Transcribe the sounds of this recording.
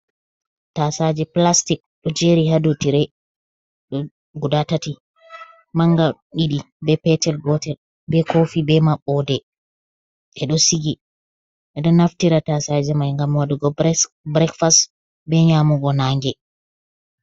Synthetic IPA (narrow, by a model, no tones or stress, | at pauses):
tasad͡ʒɛplastik̚ɗɔd͡ʒeɾihadotiɾɛ | ɗɔ | ɡudatati | maŋɡaɗiɗi | bɛpɛtɛlɡɔtɛl | bɛkofibɛmaɓːɔdɛ | ʔɛɗɔsiɡi | ʔɛɗɔnaftiɾatasad͡ʒɛmajŋɡamwaduɡɔ | bɾɛkfast | bɛɲamuɡɔnaŋɡɛ